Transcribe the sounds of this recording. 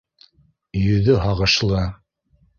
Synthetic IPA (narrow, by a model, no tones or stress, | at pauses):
jɵ̆ðɵɦɑʁɤ̆ʃlˠɤ